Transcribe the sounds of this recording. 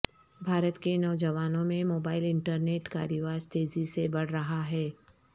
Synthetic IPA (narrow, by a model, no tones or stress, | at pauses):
bʱaːɾət̪kenɔːd͡ʒəʋaːnõmẽmoːbaːɪlɪ̃ɳʈəɾneːʈka̰ːɾjəʋaːɾt̪eːzisebɐɽ̤ɾɐɦaɦɛː